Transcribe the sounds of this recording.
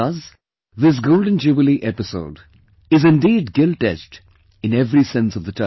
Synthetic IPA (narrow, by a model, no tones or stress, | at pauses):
ʌz | ðɪs̬ɡoʊlɖə̃nd͡ʒubɪliʔɛpɪso̰ʊɖ | ɪzɪ̃nɖiːɖɡɪlʈɛt͡ʃʈ | ɨ̃nɛvɾisɛ̃nsʌvðəʈʰã